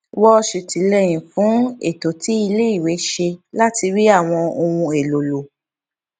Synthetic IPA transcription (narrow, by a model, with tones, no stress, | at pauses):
wɔ˦˧ʃe˨ti˨˦lɛ˦j̃ĩ˨fũ˨˦ḛ˦˨to˨ti˨˦i˧le˦i˦˨we˨˦ʃe˧la˦ti˧ɾi˦a˦˨w̃ɔ̃˧o˧wũ˧e˨lo˨lo˨